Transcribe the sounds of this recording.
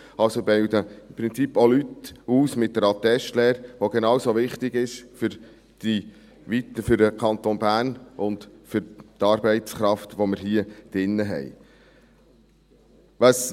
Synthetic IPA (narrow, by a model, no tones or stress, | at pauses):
ɑlsobewd̪əɪmpɾɪnt͡sipːolytuːsmɪt̚d̥̪ɛɾɑt̪ɛʃtlɛːɾʋoɡenɑwsoʋɪχtɪɡɪʃfʏɾ | d̥i | ʋitfʏɾdəkʰɑnt̪onbæːɾnʔʊndfʏɾt̪ɑːɾbɛɪtt͡sχɾɑft̪ʋoməɾɦiəd̥ɪnːəɦɛ̰j | ʋɑs